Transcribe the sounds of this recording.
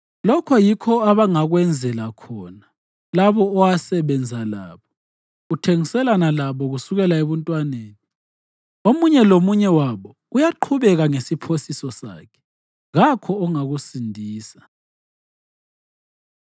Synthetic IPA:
lɔkʰɔjikʰɔaβaŋaɣwɛnd͡zʱɛlakʰɔːna | laβɔːwasɛβɛnd͡zʱala̰ːβɔ | ɣutʰeŋisɛlanalaβɔɣusuɣɛlaeβɔntʼwaneːni | omuɲɛlomuɲɛwaβɔ | ujaǃʰuβɛɣaŋesipʰosisɔsa̰ːkʰɛ̥ | ɣakʰɔːŋaɣusindʱiːsa

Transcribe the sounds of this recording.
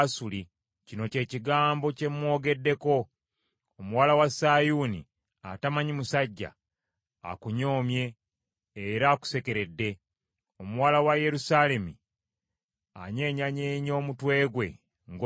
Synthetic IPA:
suli | cino̞ce̞ːciɡaːmbo̞ce̞mwo̞ːɡe̞dːe̞ko̞ː | muwaːlawasajunḭ | a̰tamaɲimusaɟːa̰ː | kuɲo̞ːmje̞ː | ɾaːku̥se̞ke̞ɾe̞dːe̞ | omuwaːlawaje̞ɾusale̞mi | a̰ɲe̞ːɲaɲeːɲo̞ːmutwe̞ːɡwe̞ | ŋɡ

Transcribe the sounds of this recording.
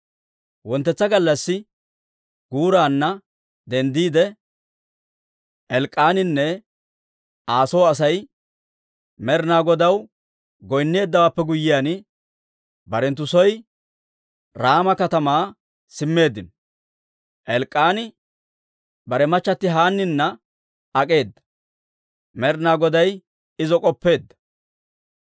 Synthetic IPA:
wɔnt̪ːɛt͡sːɐɡɐlːɐsːɪ | ɡ̥uːɾaːnːɐ | d̪ɛnd̪iːd̪ɛ | ʔɛlkʼːaːnɪnːɛ | ʔaːsɔwɐsɐj | mɛɾnaːɡɔd̪ɐw | ɡɔjnːe̞ːd̪ːɐwaːpːɛɡʊjːɪjaːnɪ | bɐɾɛnt̪ːʊsɔj | ɾaːmɐkɐt̪ɐmaː | sɪmːe̞ːd̪ːɪnɔ | ʔɛlkʼːaːnɪ | bɐɾɛmɐt͡ʃːɐt̪ːɪɦaːnːɪnːɐ | ɐkʼe̞ːd̪ːɐ̥ | mɛɾnaːɡɔd̪ɐj | ɪzɔkʼɔpːe̞ːd̪ːɐ̥

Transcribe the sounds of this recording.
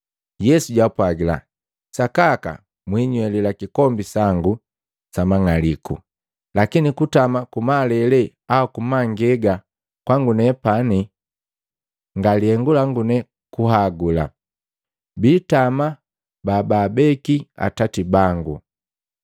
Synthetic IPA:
jɛsuɟapwaɡila̰ | sakaka̰ | mwiɲwɛlilakikɔmbisaŋɡu | samaŋalikṵ | lakinikutamakumalɛlɛ | awakumaŋɡɛɡa | kwaŋɡunɛpani | ŋɡaliɛŋɡulaŋɡunɛ | kuɦaɡula̰ | bitama | babaːbɛkia̰tatibaŋɡu

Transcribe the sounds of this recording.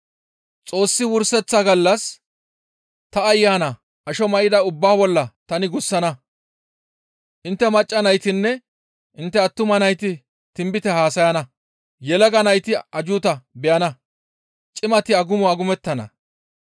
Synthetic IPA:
t͡sʼo̞ːsːɪwʊɾsɛt͡sːɐɡɐlːɐs | t̪ɐːjːaːnɐ | ʔɐʃɔmɐʔɪd̪ɐʊbːaːbɔlːɐt̪ɐnɪɡʊsːɐnɐ | ʔɪnt̪ːɛmɐt͡ʃʼːɐnɐjt̪ɪnːɛ | ʔɪnt̪ːɛɐt̪ːʊmɐnɐjt̪ɪ | t̪ɪmbɪt̪ɛhaːsɐjɐnɐ | jɛlɐɡɐnɐjt̪ɪɐd͡ʒʊːt̪ɐbɛjɐnɐ | t͡ʃʼɪmɐt̪ɪɐɡʊmʊɐɡʊmɛt̪ːɐnɐ̰

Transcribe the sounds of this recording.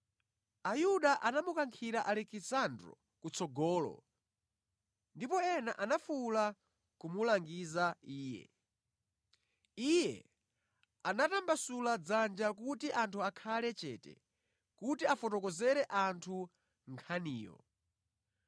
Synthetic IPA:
ajuɗaʔanamukaŋkʰiɾaʔalɛkisandɾɔ̰ | kut͡sɔɡɔːlɔ̰ | ndipɔɛnaʔanafula | kumulaŋɡizaiːjɛ̰ | ijɛ̰ | anatambasulad͡zand͡ʒakutiʔantʰuakʰalɛt͡ʃɛ̰ːtɛ̰ | kutiafɔtɔkɔzɛɾɛʔantʰu | ŋkʰaniːjɔ̰

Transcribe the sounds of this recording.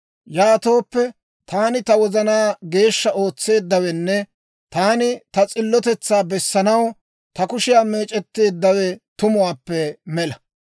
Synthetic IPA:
jaːt̪o̞ːpːɛ | t̪aːnɪt̪ɐwɔzɐnaːɡe̞ːʃːɐo̞ːt͡sːe̞ːd̪ːɐwɛnːɛ | t̪aːnɪt̪ɐt͡sʼɪlːɔt̪ɛt͡sːaːbɛsːɐnɐw | t̪ɐkʊʃɪjaːme̞ːt͡ʃʼɛt̪ːe̞ːd̪ːɐwɛt̪ʊmʊwaːpːɛmɛlɐ

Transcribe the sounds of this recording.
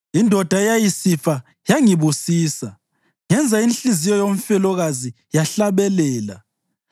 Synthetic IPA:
indʱɔd̥ʱajajisifa | jaŋiβusiːsa | ŋɛnd͡zʱainɬizijɔjom̩fɛlɔɣazi | jaɬaβɛlɛːla̰

